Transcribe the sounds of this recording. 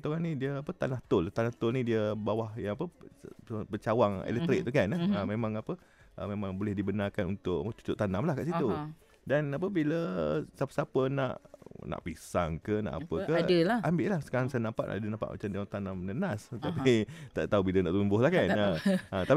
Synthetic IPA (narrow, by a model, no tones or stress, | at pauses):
t̪oɣanidiəapət̪anaht̪ʊlt̪anaht̪ʊlnidiəbawahjaŋapə | pət͡ʃawaŋḛlɛt̪ɾɪk̚t̪ukanəəmemãŋapə | ʔəmemaŋbolɛhdibənarkanunt̪ʊʔt͡ʃu̥t͡ʃʊʔt̪anamlahkaʔsit̪u | danap̬əbiləsapəsapəna̰ʔna̰ʔpisa̰ŋkəna̰ʔa̰pəkədəlaambɪʔlahsə̥kaɾaŋsajənampa̰ʔna̰dənampa̰ʔma̰t͡ʃamdiaaŋt̪anamnənast̪apit̪a̰ʔt̪aubilənaʔt̪umbʊhlahkanəət̪a